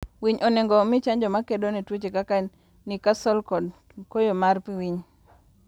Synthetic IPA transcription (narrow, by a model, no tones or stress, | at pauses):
wiɲɔneŋɡɔmɪt͡ʃaɲd͡ʒɔmakedonetwot͡ʃekakan | nikasɔlkɔd | kojomarpiwiɲ